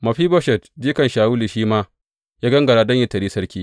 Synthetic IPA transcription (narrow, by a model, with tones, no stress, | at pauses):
mɐ˨ɸiː˦bɔ˦ʃɛ˨tdiː˦kɐ˨nʃaː˨wuː˦liː˨ʃiː˦maː˦ | jaː˦ɡɐ˦ŋɡɐ˨ɽaː˦dɐ˦ɲjɪ˦˨tɐ˨ɾiː˦sɐ˦ɾkʲiː˦